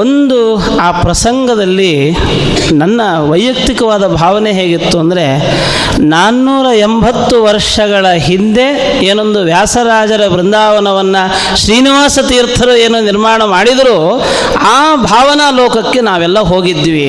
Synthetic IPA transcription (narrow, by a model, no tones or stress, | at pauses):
ond̪u | aːpɾɐsɐŋɡɐd̪ɐlːi | nɐnːɐ | ʋɐjjɐk̚t̪ikɐʋaːd̪ɐbʱaːʋɐneɦeːɡit̪ːuɐnd̪ɐɾe̞ | naːnːuːɾɐembʱɐt̪ːuʋɐɾʂɐɡɐɭɐɦind̪e̞ | eːno̞nd̪uʋjaːsɐɾaːd͡ʒɐɾɐbɾind̪ʱaːʋɐnɐʋɐnːɐ | ʃɾiːniʋaːsɐt̪iːɾt̪ʰɐɾue̞ːnuniɾmaːɳɐmaːɽid̪ɐɾuː | aːbʱaːʋɐnaːlɔːkɐkːe̞naːʋɛlːɐɦoːɡid̪ːʋi